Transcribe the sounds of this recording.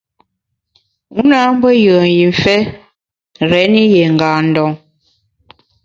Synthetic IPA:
u˦na˦m̩˦bə˦jə˨n˨ji˨ɱ˨fɛ˦ | ɾɛ˨˦ni˦jɛ˨ŋ˨ɡaː˨n̩˨dɔ˨ŋ

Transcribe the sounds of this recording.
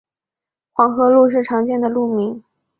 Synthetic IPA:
xwɑ˧˥ŋxɤ˧˥lu˥˧ʂ̬ɻ̩˥˩ʈ͡ʂʰɑ˧˥ŋt͡ɕjɛ˥˩nd̪ə˩lu˥˩mi˧˥ŋ

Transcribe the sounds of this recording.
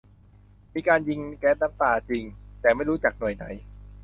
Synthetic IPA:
miː˧kaː˧nji˧ŋkɛː˦˥t̪̚na˦˥mt̪aː˧t͡ɕi˧ŋt̪ɛː˨˩ma˥˩jɾuː˦˥t͡ɕa˨˩k̚nu˨˩əjna˨˩˦j

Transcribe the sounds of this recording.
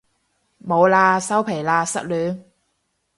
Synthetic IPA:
mo˨˧wlaː˧sɐ˥wpʰe˨˩jlaː˧sɐ̰˥t̚lyː˨˥n

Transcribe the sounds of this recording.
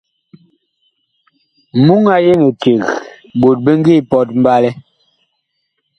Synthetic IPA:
mu˦ŋa˦je˦ŋe˨te˨ɣ | bo˨t̚be˦ŋ˦ɡi˦˨pɔ˦t̚m˦ba˦lɛ˦

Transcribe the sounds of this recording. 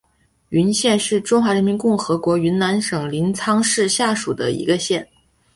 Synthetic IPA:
y˧˥nɕjɛ˥˧nʂɻ̩˥˩ʈ͡ʂʊ˥ŋxwa˧˥ɻə˧˥nmi˧˥nkʊ˥˩ŋxɤ˧˥kwɔ˧˥y˧˥nna˧˥nʂɤ˨˩ŋli˧˥nt͡sʰɑ˥ŋʂɻ̩˥˧ɕja˥˩ʂu˨˩d̪ə˦ḭ˧˥ɡə˧ɕjɛ˥˩n

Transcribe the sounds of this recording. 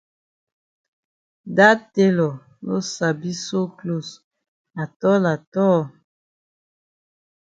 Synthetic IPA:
da˦te˦lɔ˨ | lo˦sa˨bi˦so˦klo˦˨s | a˨tɔ˦la˨tɔ˦

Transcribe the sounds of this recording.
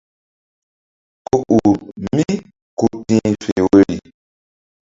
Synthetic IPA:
ko˦ʔu˨mi˦ | ku˨tĩ˦fe˨we˦li˨

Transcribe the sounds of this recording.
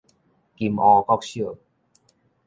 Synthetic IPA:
ki˧˨mɔː˧kɔ˦˥k̚si˦ə˨˩

